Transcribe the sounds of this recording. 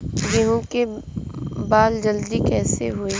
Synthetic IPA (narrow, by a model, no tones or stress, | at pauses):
jeɦũke | baːld͡ʒəld̪ikɛːsḛɦʊeː